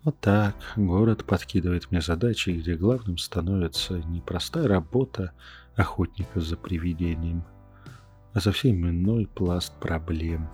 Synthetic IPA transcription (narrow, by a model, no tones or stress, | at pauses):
ot̪ːakɡo̞ɾət̪pɐt̪kʲid̪əvəjɪt̪mnʲe̞zɐd̪at͡ɕɪɡdʲe̞ɡlˠavnɨmst̪ɐno̞vʲɪt̪sənʲɪpɾɐst̪ajəɾɐbo̞t̪ʰə | ɐxo̞tʲnʲɪkəzəpɾʲɪvʲɪdʲenʲɪjəm | ɐsɐfsʲemʲɪno̞jplˠast̪̚pɾʔɐblʲe̞m